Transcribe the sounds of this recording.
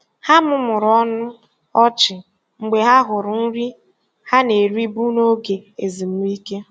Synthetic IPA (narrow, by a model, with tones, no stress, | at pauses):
ha˦mʊ˦mʊ˨ɾɔ˦nʊ˦ | ɔ˦t͡ʃɪ˨ | ŋ͡m̩˨ɡ͡be˨ɦa˦ɦʊ˨ɾʊ˨n̩˦ɾi˦ | ha˦ne˨ɾi˦bu˦no˦ɡe˨e˨zi˨m̩˦i˦ke˦